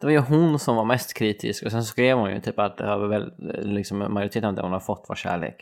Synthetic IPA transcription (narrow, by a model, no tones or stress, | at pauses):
d̪ɛvaɾjɵɦʊnsɔmvaɾmɛst̪kʰɾiːt̪ʰɪ̰skɔsɛnsɔskɾeːvhʊnjɵ̰t̪ʰyːpat̪̚b̪ɛhɑːvəvɛllɪksɔmmːajʊɾɪt̪ʰeːt̪ənavd̪ɛ̰hʊnhad̪fɔt̪ːva̰ʃɕæ̰ːɭḛːk